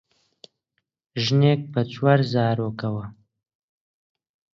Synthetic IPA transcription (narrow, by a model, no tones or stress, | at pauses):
ʒneːk̚bɐt͡swaɾzaːɾoːkɐwɐ